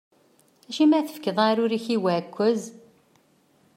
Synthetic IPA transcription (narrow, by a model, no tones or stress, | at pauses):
æʃimæθə̥fkəðˤaɾʊɾiçiwækʷːəz